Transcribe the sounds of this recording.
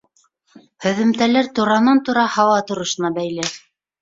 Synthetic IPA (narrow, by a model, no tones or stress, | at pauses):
hɵ̆ðɘ̆mt̪ælæɾt̪uɾɑnɑnt̪uɾɑhɑwɑt̪ŏɾɤ̆ʃɤ̆nɑbæjlɘ